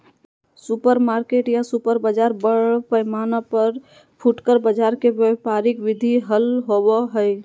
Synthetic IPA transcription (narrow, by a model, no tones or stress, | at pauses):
supəɾmaɾkeʈjasupəɾbəd͡ʒaɾbəɽpəjmanəpəɾ | pʰuʈkəɾbəd͡ʒaɾkebjepaɾikʋid̪ʱiɦəlɦobəɦəj